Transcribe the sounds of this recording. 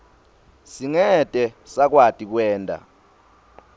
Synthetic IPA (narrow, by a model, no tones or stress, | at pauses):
siŋɛtʼɛsak̬watʼik̬wɛːntʼa̰